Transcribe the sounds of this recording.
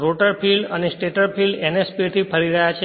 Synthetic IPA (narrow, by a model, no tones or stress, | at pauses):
ɾoʈəɾpʰilɖənesʈeʈəɾpʰilɖenespit̪ʰipʰəɾiɾəɦjat͡ʃʰ